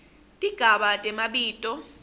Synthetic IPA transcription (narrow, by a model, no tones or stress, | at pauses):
dʼʱiɡ̥ʱaɓatʼɛmaɓiːtʼɔ